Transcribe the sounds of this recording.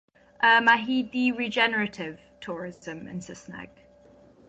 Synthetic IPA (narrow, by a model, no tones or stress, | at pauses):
ʔəmaɦiːdiɹɪd͡ʒɛnəɹətʰɪv̥tʰɔːɹɪzə̃mɪ̰̃nsəsnɛ̰ɡ̥